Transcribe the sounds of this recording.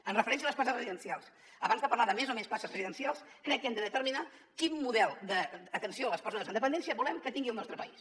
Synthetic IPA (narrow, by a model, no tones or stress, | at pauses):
ənrəfəɾɛns̬iələspaazrəziðənsijalˠs | əβanzðəpəɾlaðəmezomenspasəzrəziðənsialˠskɾɛk̚ːɛmd̪əðət̪əɾmina | kimːuðɛlˠd̪əːt̪ənsioələspzaðəzənd̪əpənd̪ɛnsiəβulɛmkət̪iŋɡiəlˠnɔst̪ɾəpəis